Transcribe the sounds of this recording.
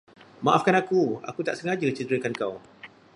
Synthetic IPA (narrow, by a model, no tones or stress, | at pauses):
maʔafkanakua̰kut̪aʔsəŋad͡ʒət͡ʃəd̪əɾəkankaw